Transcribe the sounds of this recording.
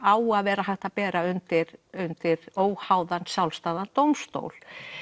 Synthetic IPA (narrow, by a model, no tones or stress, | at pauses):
aːwaðvɛːɾaɦajht̪apɛːɾaʏnt̪ɪɾʏnt̪ɪɾoːwhaːwðansjawlst̪aːðant̪owmst̪o̰ːwl̥